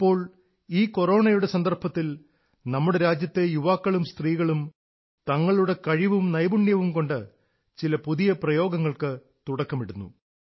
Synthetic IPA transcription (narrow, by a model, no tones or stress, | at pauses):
ipːo̞ːɭ | iːko̞ro̞ːɳɐjuɽesɐnd̪ɐrpɐt̪ːil | nɐmːuɽe̞ɾaːd͡ʑjɐt̪ːe̞juʋaːkːɐɭumst̪riːɣɐɭum | t̪ɐŋːɐɭuɽe̞kɐɻiʋumnɐjbuɳjɐʋumko̞ɳɖɨ | t͡ɕilɐpuðijɐprɐjo̞ːɡɐŋːɐɭkɨ | t̪uɽɐkːɐmiɽunːṵ